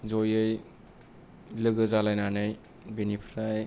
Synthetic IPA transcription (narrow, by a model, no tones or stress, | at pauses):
zojɯj | lɯɡɯzalajnanɯj | benipʰɾaj